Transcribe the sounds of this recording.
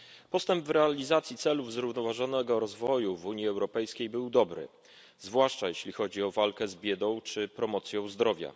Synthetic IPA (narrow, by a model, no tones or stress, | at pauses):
pɔst̪ɛmbvɾɛalʲizat̪sʲjit̪sɛluvzɾuvnɔvaʐɔnɛɡɔɾɔzvɔjuvuɲjiɛwɾɔpɛjskʲejbɘwd̪ɔbɾɘ̰ | zvwaʂt͡ʂajeɕlʲixɔd͡ʑiɔvalkɛzbʲjɛd̪ɔ̃w̃t͡ʂɘpɾɔmɔt̪sʲjɔ̃w̃zd̪ɾɔvʲja̰